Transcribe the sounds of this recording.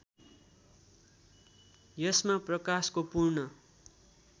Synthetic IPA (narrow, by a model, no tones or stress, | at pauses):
jʌsmaprʌkaskopurnʌ